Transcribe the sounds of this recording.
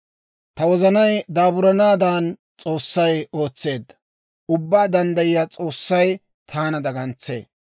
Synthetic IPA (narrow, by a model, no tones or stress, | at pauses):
t̪ɐwɔzɐnɐjd̪aːbʊɾɐnaːd̪aːn | t͡sʼo̞ːsːɐjo̞ːt͡sːe̞ːd̪ːɐ | ʊbːaːd̪ɐnd̪ɐjɪjat͡sʼo̞ːsːɐj | t̪ʰaːnɐd̪ɐɡɐnt͡sːe̞̰ː